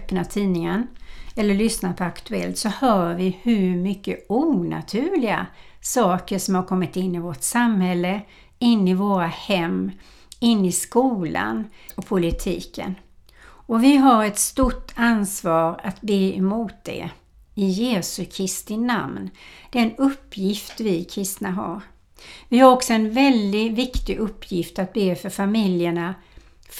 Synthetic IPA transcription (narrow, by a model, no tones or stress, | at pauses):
pnat̪ʰiːnɪŋənɛlːəɭʏsnapʰɔakt̪ɵɛ̰lt̪sɔhœːvɪhɵɾmʏkːəuːna̰t̪ʰʉːlɪɡa̰sɑːkəʂɔmhaɾkʰɔmːɪt̪ɪnːɪvɔʈsamhɛlːə | ɪnːɪvoːɾahɛmː | ɪnːɪskuːla̰nɔpʰʊlɪt̪ʰiːkə̰n | ɔvɪɦaɾɛt̪st̪ʊʈːansvɑːɾat̪beːɛmuːt̪̚d̪ɛ̰ | ɪjeːsɵkʰɾɪst̪ɪna̰mnd̪̥ɛnɵpːjɪft̪vɪkʰɾɪst̪naɦa̰ɾ | vɪhaɾɔksɔɛnvɛld̪ɪvɪkt̪ɪʔɵpʰːjɪft̪at̪̚beːfœɾfamɪljəɳa